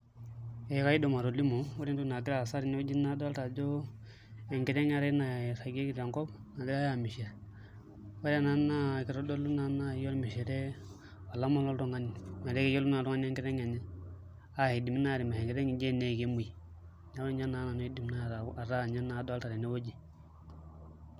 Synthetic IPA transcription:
e˨˦ka˦i˦do˨ma˨ɾo˨li˦mo˨wo˦ɾi˦n˦tu˦na˨ɡi˦ɾa˦˨sa˦ɾi˨ne˦wo˦d͡ʒi˦na˦da˦lta˨d͡ʒo˦ | e˨ŋɡi˨ɾe˦ŋ˦a˨ɾe˦na˨ɾa˨ɡe˦ɡi˨ɾa˨ŋkɔ˦b̚na˨ɡi˦a˦ja˨mi˨ʃe˨ɾ | wa˦ɾa˨na˦na˦˨ki˨˦ɾo˦do˦lu˦na˦na˦˨jo˦lmi˨ʃe˨ɾe˦ | wa˨la˦mo˦lo˦ɾu˦ŋa˦ni˨ma˨de˦ke˦jo˦lu˦na˨ɾu˦ŋa˦ni˦e˦ŋki˦ɾe˦ŋa˨ɲa˦ | a˦he˨di˨m˦na˦˨ɾi˨ma˨e˨ŋki˨ɾe˦ŋi˨d͡ʒe˦˨ne˨ke˦mu˨i˨ | ɲa˦we˦ɲa˦na˨˦na˨no˦i˦di˨m˨na˦˨ɾa˨a˨ɾa˦˨ɲa˦na˨˦do˦a˦lta˨ɾi˨ne˦wo˦d͡ʒi˨

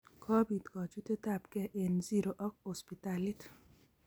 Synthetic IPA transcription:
kʰɔ˦bi˨t̪kɔ˨d͡ʒu˦t̪e˦t̪a˨pkɛ˦ʔenziɾo˨ʔɔ˦k̚ospit̪alit̪

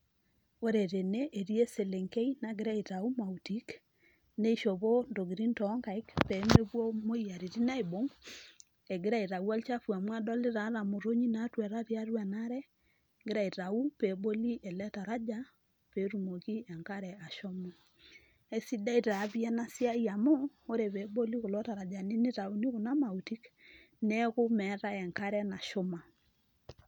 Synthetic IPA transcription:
o˦ɾe˨ɾe˨ne˦ʔːɾje˦se˨le˨ŋke˦inaɡɪ˦ɾa˦i˨ta˨u˦ma˨uti˦k | ne˦ʃo˨βo˦ndo˨ɡiɾi˦ntɔ˦ŋɡa˨i˦kpɛme˦βwɔ˦mo˦ia˨ɾi˨ɾi˦na˦e˨bo˨˦ŋ | e˨ɡɪ˦ɾa˦i˨ɾa˨u˦a˦lt͡ʃa˦fu˨a˨mwa˦dɔ˦lɪ˦ɾa˨˦ɾa˨mo˨ɾo˦ɲi˦na˦twɛ˨ɾa˦ɾja˦ɾwa˨na˦ɾɛ˦ | ɡɪ˦ɾa˨i˨ɾa˨u˦pe˨bo˦li˦ʔɛ˨lɛ˦ta˨ɾa˦d͡ʒa˦ | pe˨˦ɾu˨mo˨ɣi˦ɛ˨ŋka˦ɾɛ˨a˨ʃɔ˦mɔ˦ | ɛ˨si˦da˦i˦ta˨˦βi˦a˦na˦sja˦i˦a˨moː˦ | ɾe˨βe˨bo˦li˦ɣo˨lɔ˦ta˨ɾa˨d͡ʒa˨ne˦nɪ˦ta˨u˦ni˦ɣo˨na˦ma˨u˨ti˦k | nɛ˦ɣʊ˦mɛ˨˦ɾa˦ɛ˨ŋka˦ɾɛ˦na˨ʃo˦ma˨

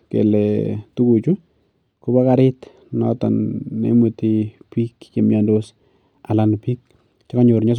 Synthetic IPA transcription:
kḛ˨lɛtu˦ku˨t͡ʃu˦ | kʊba˦ka˨ɾɪ˦t | nɔtɔ̰˨nːḛ˦mu˨ti˨pi˦kke˨mja˨ndo˦s | a˨la˨npi˦k̚ | t͡ʃa˦ka˦ɲoɾɲa˦s

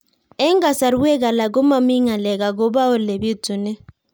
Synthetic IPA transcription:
ɛ˦ŋɡa˨sa˨ɾu˦ɛ˦k̬a˨la˨k̬ʊ˦ma˨mi˦ŋa˨lɛ˨ka˨k̬ʊ˦ba˦ʊ˦le˨bɪ˦tʊ˨nɪ˦

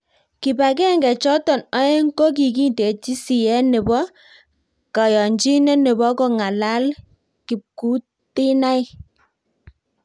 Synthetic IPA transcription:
ki˨ba˨kɛ˦˨ŋɡɛ˨t͡ʃɔ˦tɔ˨nɔ˦e˦ŋ̩˦ko˦k̬i˨ki˦nte˨t͡ʃi˦si˨jɛ˦nɛ˨bɔ˦ | ka˨jɔ˨ɲd͡ʒi˦nɛ˦nɪ˨bɔ˦kɔ˦ŋa˨la˦l | ki˨p̚ku˨˦ | tɪ˦na˦ɪ˦

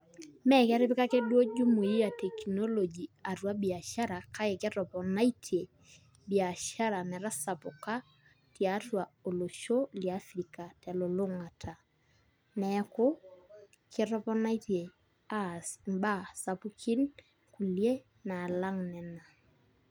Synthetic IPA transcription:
mɛ˦kɛ˦ɾɪ˦pɪ˦ka˦ke˦dwo˦d͡ʒu˦mu˨i˦a˨tɛ˨kno˦lo˨d͡ʒi˨a˨rwa˦bi˨a˨ʃa˦ɾa˨ka˦ɪ˨kɛ˦tɔ˨pɔ˨na˦i˦tʰe˨ | bia˨ʃa˦ɾa˨mɛ˨ɾa˦sa˨pʊ˨ka˦ | tja˦twa˨o˨lo˨ʃo˦lia˦fɾi˨ka˨tɛ˨lʊ˨lʊ˦ŋa˨tʰa˨ | nɛ˦kʊ˦ | kɪɾɔ˦pɔ˦na˦ite˨ | a˦smba˦sa˨pu˦kʰɪ˦n | ku˨lje˦ | na˨la˦ŋnɛ˨na˨

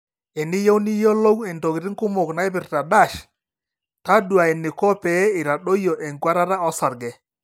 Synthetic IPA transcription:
ɛ˨nɪ˦jo˦wni˦jo˦lo˦wɛ˨nto˨kɪ˨ɾɪ˦ŋkʊ˦mʊ˨kna˨˦ɪ˦pɪ˨rta˨da˦˨ʃ | ta˦dwa˨ɛ˨nɪ˨kɔ˦pɛ˨˦ɪ˨ɾa˨ɗo˦jo˨ʔe˨ŋɡwa˦ɾa˦ɾa˦ɔ˦sa˨ɾɡɛ˨

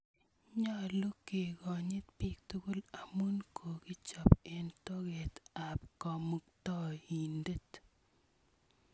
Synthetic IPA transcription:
ɲa˦˨lo˦ke˨ɡɔ˨ɲɪ˦t̪̚pi˦k̚t̪u˦ku˦la˨mu˦nkʰo˨ki˦t͡ʃɔ˨pe˨nto˦ɡe˨t̪a˨p̚kɔ˨mu˨k̚t̪ɔ˦i˨nde˦t

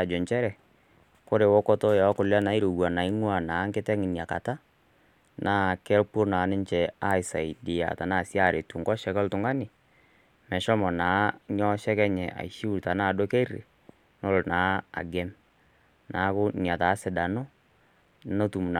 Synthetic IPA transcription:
a˨d͡ʒɔ˨ɲt͡ʃɛ˦ɾɛ˨ | kʊ˦ɾe˨wɔ˦kɔ˦tɔ˦jɔ˨˦kʊ˨la˦na˨˦i˦ɾo˨ɡwa˨na˨i˦ŋwa˨naː˨˦ŋkɪ˦tɛ˦ŋɪ˨nja˨ka̰˨ta˦ | nʔa˦˨kɛ˦lpo˦na˨˦nɪ˦ɲt͡ʃɛ˨a˦ɪ˨sa˨i˨dɪ˨ja̰˨ta˨na˦˨sja˦˨ɾe˨tu˨ŋɡɔ˦ʃɛ˨kɛ˦ltʊ˨˦ŋɡa˦nɪ˨ | mɛ˨ʃɔ˦mɔ˨naː˨˦ɲɔ˦ʃɛ˦kɛ˦ɲɛ˨ʔa̰˨i˨ʃi˦u˦˨ta˨naː˦˨do˦ke˦rḛ˨ | nɔ˦lnaː˨˦a̰˨ɡɛ˦m | naː˨˦kʊ˦n˨a˨taː˨˦sɪ˨da˨no˦ | no˦tu˨m˨n˨

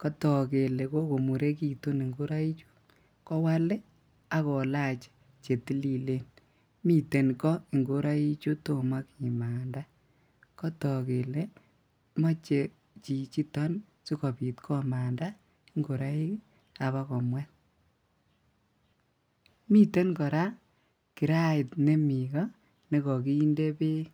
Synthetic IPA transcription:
kɔ˦tɔ˨ke˨le˨ko˦ko˨mu˨ɾe˦ki˨tu˦ni˨ŋɡo˦ɾa˦i˦t͡ʃu̥˦ | kɔ˦wa˦le˦ | a˦kɔ˨la˦t͡ʃe̥˨ | t͡ʃe˨ti˦li˦le˦n | mi˦˨te˨nkɔ˦i˨ŋɡo˦ɾa˦i˦t͡ʃu˦to˦ma˦kɲi˨maː˨nda˦ | kɔ˦tɔ˨ke˨le˦ | mɔ˦t͡ʃe˨ | t͡ʃi˨t͡ʃi˦tɔ˦n | su˦kɔ˨pi˨tkʰɔ˦ma˨nda˦ | i˦ŋɡo˨ɾa˦i˦k | a˨βa˦kɔ˨mwɛ˦t̚ | mi˦te˦nkɔ˨ɾa˦ | ki˨ɾa˦ɪ˨tne˦mi˨ɡa˦ | ne˦kɔ˨ki˦i˦nde˦pe˦

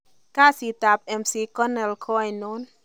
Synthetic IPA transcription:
ka˦si˨t̪a˨p̚ɛ˨msi˨kɔ˦nɛ˨lkʰɔ˦a˨jno˦n

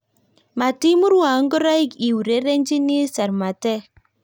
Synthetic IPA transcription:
ma˨ti˦mu˦ɾwa˨˦ŋ˦ɡɔ˦ɾa˦i˦ki˨wu˨ɾe˨˦ɾe˦nd͡ʒi˦ni˦sa˨ɾma˨tɛ˦

